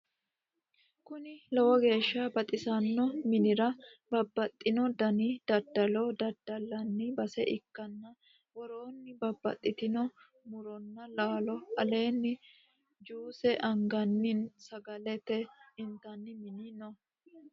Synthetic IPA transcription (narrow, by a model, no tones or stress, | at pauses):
kʊnɪlɔwɔɡe̞ːʃːɐbɐt̪ʼɪsɐnːɔmɪnɪɾɐbɐbːɐt̪ʼːɪnɔd̪ɐnid̪̥ɐd̪ɐlɔd̪ɐd̪̥ːɐlːɐnːɪbɐsɛʔɪkːɐnːɐ | wɔɾoːnːɪbɐbːɐ̰t̪ʼːɪt̪ɪnɔ | mʊɾɔnːɐlaːlɔɐle̞ːnːɪ | d͡ʒuːsɛʔɐŋɡɐnːɪnsɐɡɐlɛt̪ɛɪnt̪ɐnːɪmɪniːnɔ